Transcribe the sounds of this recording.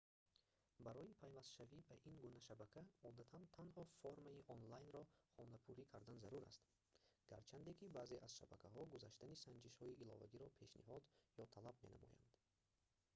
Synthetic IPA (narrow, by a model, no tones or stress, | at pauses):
baɾɔjipʰajvast̪ʃavibaʔiŋɡunaʃabækʰaɔd̪at̪ʰant̪ʰanhɔfoɾmaiʔɔnlajnɾɔχɔnapʰuɾikʰaɾd̪anzaɾuɾa̰st̪ | ɡ̥a̰ɾt͡ʃʰand̪ekʰibaːze̞ʔaz̥ʃabakʰaɦɔɡuzaʃt̪anisand͡ʒiʃhɔiʔilɔ̰va̰ɡiɾɔpʰe̞ʃnḭɦɔd̪jɔt̪ʰalabme̞̰na̰mɔ̰ja̰nd̪̥